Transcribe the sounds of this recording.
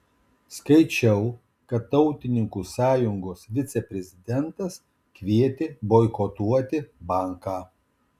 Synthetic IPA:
skɐɪt͡ʃʲɛʊ | kɐt̪ːɔʊt̪ʲɪnʲɪŋkuːsɑːjʊŋɡoːsʋʲɪt̪sʲɛpʲɾʲɛzʲɪd̪ʲɛnt̪ɐs | kʋʲiɛt̪ʲɪboːɪkot̪uɔt̪ʲɪbɐˑŋkɑː

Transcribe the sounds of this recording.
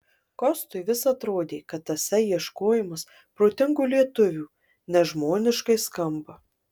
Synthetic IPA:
kɔst̪ʊɪʋʲɪsɐt̪ɾoːd̪ʲeːkɐt̪ɐsʲɛjiɛʃkoːjɪmɐs | pɾoːt̪ʲɪŋɡuːlʲiɛt̪ʊʋʲuː | nʲɛʒmoːnʲɪʃkɐɪskɐmbɐ

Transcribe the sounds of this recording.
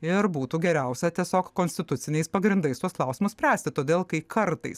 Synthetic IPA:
ɪɾbuːt̪uːɡʲɛɾʲæˑʊsʲɛt̪ʲiɛsʲoːkkoːnsʲt̪ʲɪt̪ʊt̪sʲɪnʲɛɪspɐɡɾʲɪnd̪ɐɪst̪uɔsklˠɐʊsʲɪmʊssʲpʲɾʲæːsʲt̪ʲɪt̪oːd̪ʲeːlˠkɐɪkʰɐɾt̪ɐ̰ɪs

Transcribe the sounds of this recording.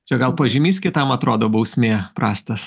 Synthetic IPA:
t͡ʃʲɛɡɐlˠpoʒʲɪmʲiːskʲɪt̪ɐmɐt̪ɾoːd̪oːbɐʊsʲmʲeːpɾɑːsʲt̪ɐs

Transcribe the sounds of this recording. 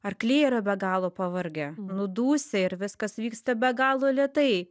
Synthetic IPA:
ɐrklʲeːiɾɐbʲɛɡɑːlˠoːpɐʋɐrʲɡʲɛnʊd̪uːsʲɪɪɾʋʲɪskɐsʋʲiːkst̪ɐbʲɛɡɑːlˠoːlʲɛt̪ɐɪ

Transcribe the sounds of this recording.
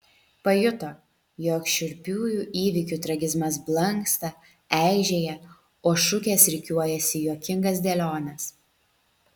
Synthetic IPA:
pɐjʊt̪oː | joːkʃʲɪɾʲpʲuːjuːʔiːʋʲɪkʲuːt̪ɾɐɡʲɪzmɐsblˠɐŋkst̪ɐ | æˑɪʒʲeːjɛ | oːʃʊkʲeːsɾʲɪkʲuɔjɛsʲɪjoːkʲɪŋɡɐsd̪ʲɛːlʲoːnʲɛs

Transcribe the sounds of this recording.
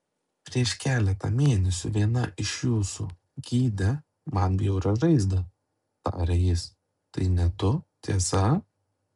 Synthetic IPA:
pʲɾʲiɛʃkʲæːlʲɛt̪ɐ̰mʲeːnʲɛsʲʊʋʲiɛnɐʔɪʃjuːsṵ | ɡʲiːd̪ʲɛ | mɐnbʲjɛʊɾɐʒɐɪzd̪ɐ | t̪ɑ̰ːɾʲɛjɪs | t̪ɐɪnʲɛt̪ʊt̪ʲiɛsɐ

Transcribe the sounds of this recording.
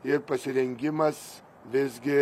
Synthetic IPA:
ɪɾpɐsʲɪɾʲɛŋʲɡʲɪmɐs | ʋʲɪzʲɡʲɪ

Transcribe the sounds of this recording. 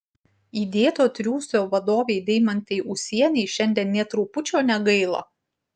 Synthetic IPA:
iːd̪ʲeːt̪oːt̪ʲɾʲuːsʲoːʋɐd̪oːʋʲeɪd̪ʲɛɪmɐnʲt̪ʲɛɪʔʊsʲiɛnʲɛɪʃʲɛnʲd̪ʲiɛnnʲɛt̪ɾuːpʊt͡ʃʲoːnʲɛɡɐɪlˠo̰ː

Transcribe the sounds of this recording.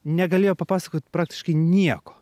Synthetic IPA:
nʲɛɡɐlʲeːjoːpɐpɑːsɐkoːt̪ʲpɾɑːktʲɪ̥ʃkɐɪnʲiɛko̥ː

